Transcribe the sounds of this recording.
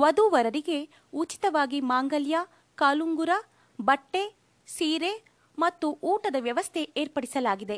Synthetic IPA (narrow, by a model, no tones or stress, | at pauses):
ʋɐd̪uʋɐɾɐɾiɡe̞ | ut͡ʃi̥t̪ɐʋaːɡimaːŋɡɐljaː | kaːluŋɡuɾɐ | bɐʈːe̞ | siːɾe | mɐt̪ːuʔuːʈɐd̪ɐʋjɐʋɐst̪ʰe̞ʔeːɾpɐɽisɐlaːɡid̪e̞